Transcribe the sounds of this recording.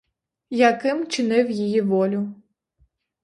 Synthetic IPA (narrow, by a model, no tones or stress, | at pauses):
jɐkɪmt͡ʃɪnɪwjijiʋɔlʲʊ